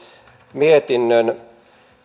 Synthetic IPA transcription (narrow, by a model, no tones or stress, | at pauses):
miet̪inːøn